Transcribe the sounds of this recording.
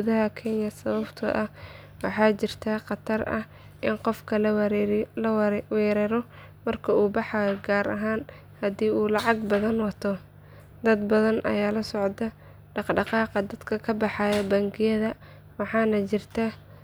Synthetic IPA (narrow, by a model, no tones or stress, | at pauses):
uðɐɦɐkʰɛnjɐsɐβɐbt̪ʰɐ̰ʔɐh | wɑħɑːt͡ʃɪrt̪ʰaqɑt̪ʰɐrɐ̰h | ʔɪnqɔfkʰɐlɾlɐwwɛːɾɛːɾɔ | mɐrkʰɐuːbɑħɑːjɔɡaːɾɐɦaːn | hɐd̪iːʔuːlɑʕɑɡbɐðɐnwɑt̪ʰɔ | d̪ɐd̪bɐðɐnʔɐ̰jaːlɐsɔʕd̪ɐ | ɖɑqɖɑqɑːqɑd̪ɐd̪kʰɐkʰɐbɑħɑːjɐbɐŋɡɪjɐðɐ | wɑħɑːnɐt͡ʃɪrt̪ʰa